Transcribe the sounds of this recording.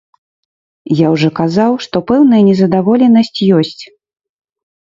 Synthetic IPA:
jawʐɔkazawʂt̪ɔpɛwn̪ɐjɐnʲɛzɐd̪avɔlʲɛnɐsʲt͡sʲjɔsʲt͡sʲ

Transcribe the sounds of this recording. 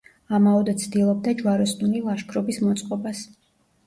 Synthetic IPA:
amaɔd̪ɛt̪sʰd̪ilˠɔb̚d̪ad͡ʒwaɾɔsnulilˠaʃkʰɾɔbismɔt̪sʼqʼɔbas

